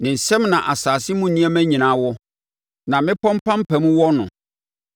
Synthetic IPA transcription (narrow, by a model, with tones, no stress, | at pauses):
nɪ̃˨n̩˨sɛ˦mnã˨ʔa˨saː˨sɪ˦mũ˦nĩ˦ɛ˦mæ̃˦ɲĩ˨nãː˨˦wɔ˦ | nã˨mɪ̃˦pʰɔ̃˦m˦pʰã˦m̩˦pʰæ˨mũ˦wɔ˦nʊ̰̃˨